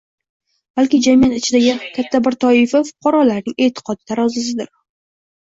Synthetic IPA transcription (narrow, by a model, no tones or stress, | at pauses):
b̥alkʲɪd͡ʒamijat̪ɪt͡ʃʰɪd̪aɡʲɪkʲʰat̪ʰːabɪɾt̪ʰɒɪfafʊ̥qʰɒɾɒlaɾnɪŋʔe̞t̪ʰɪ̥qʰɒd̪ɪt̪ʰaɾɒzas̬ɪd̪ɪ̰ɾ